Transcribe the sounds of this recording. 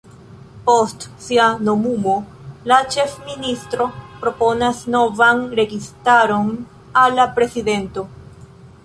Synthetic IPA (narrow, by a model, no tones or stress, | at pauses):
po̞stsiano̞mumo̞ | lat͡ʃe̞fministɾo̞pɾo̞po̞nasno̞vanɾe̞ɡistaɾo̞n | alːapɾe̞siðe̞nto̞